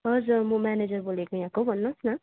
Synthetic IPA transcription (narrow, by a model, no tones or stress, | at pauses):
ʌd͡zmʌmaned͡zʌrbolekojãkobʱʌnːʌsnʌ